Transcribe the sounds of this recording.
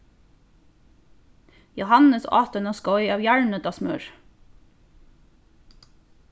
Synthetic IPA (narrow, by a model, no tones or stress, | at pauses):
jʊhɑnəsɑ̰ːt̪ənɔskɔʏɑːʋjæɹɳəd̪ɑːsmœɹ